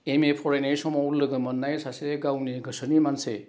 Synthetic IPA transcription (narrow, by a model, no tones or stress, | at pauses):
emepʰɔɾenejsɔmɔwuɾlɯɡɯmənːajsaseɡawniɡʱɯsənimanse